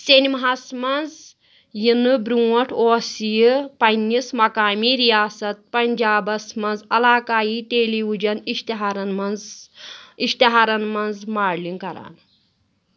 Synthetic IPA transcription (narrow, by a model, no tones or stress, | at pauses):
senimɐɦasmɐnz | jinɨbɾũːɐʈʰoːsijɨpɐnʲːismɐkaːmiːɾijaːsɐt̪̚pɐnd͡ʒaːbɐsmɐnzɐlaːkaːjiːʈeːliud͡ʒɐniʃt̪ɦaɾɐnmɐnz | iʃt̪iɦaːɾɐnmɐnzmaːɽliŋkɐɾa̰ːn